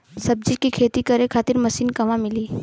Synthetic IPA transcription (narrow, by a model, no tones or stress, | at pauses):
sɐb̚d͡ʒikikʰeːt̪ikɐɾẽkʰaːt̪ɪɾmɐsiːnkɐmãmɪliː